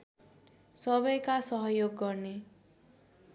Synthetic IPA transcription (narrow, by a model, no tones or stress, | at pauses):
sʌbʌjkasʌɦʌjoɡːʌɾne